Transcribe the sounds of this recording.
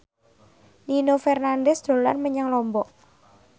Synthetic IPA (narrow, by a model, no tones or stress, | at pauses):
ninofɛrnandɛsd̪̥o̤lanməɲaŋlɔmbɔʔ